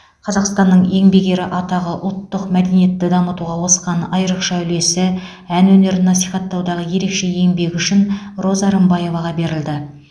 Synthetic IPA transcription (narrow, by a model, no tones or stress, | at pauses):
qʰɑzɑqst̪ɑnːəɴe̞ŋbe̞ɡʲe̞ɾɪʔɑt̪ɑʁəʔʊlˠt̪ːəqmæd̪enije̞t̪ːɪd̪ɑmət̪uʁɑwo̞sqɑnɑjəɾəqʃɑʏle̞sɪ | ænwɵne̞ɾɪnːɑsijχɑt̪ːɑwd̪ɑʁəje̞ɾe̞kʃe̞je̞ŋbe̞ɡʲʏʃɪn | ro̞zɑɾəmbɑje̞vɑʁɑbe̞ɾɪld̪ɪ